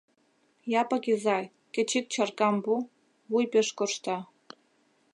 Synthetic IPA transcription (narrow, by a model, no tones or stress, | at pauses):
japʼakʲʼizaj | kʲʼet͡ʃʰik̚t͡ʃʰarkʼambu | wujpʲʼeʂkʼoʂt̪ʰa